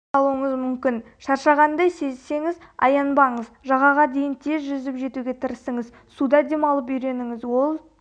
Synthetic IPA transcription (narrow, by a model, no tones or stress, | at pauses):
ɑlˠuəɴəzmʏmkʲɪn | ʃɑɾʃɑʁɑnd̪ɑjse̞zse̞ŋɪzɑ̰jɑnbɑɴəzʒɑʁɑʁɑd̪e̞jɪnt̪ʰe̞zʒʏzɪpʒe̞t̪uɡʲe̞t̪ʰɪɾɪsəŋəz | sud̪ɑd̪e̞mɑlˠəp̬ʏjɾe̞nɪŋɪzwo̞lˠ